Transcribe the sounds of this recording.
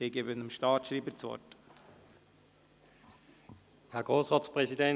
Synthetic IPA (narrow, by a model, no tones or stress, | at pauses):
eɡebənəmʃtɑːtʃɾiːbət͡sʋɔ̰t | hɛɡ̥ʁoːsʁɑːspʁɛsidɛ